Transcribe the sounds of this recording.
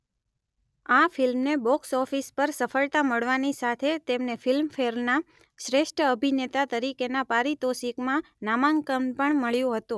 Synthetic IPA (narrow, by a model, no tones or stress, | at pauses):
afilmnebɔksɔfispəɾsəfəɭt̪aməɭʋanisat̪ʰet̪emnefilmfeɾna | ʃɾeʃʈəəbʱinet̪at̪əɾikenapaɾit̪osikmã | namãŋkəmpəɳməɭjũɦət̪ũ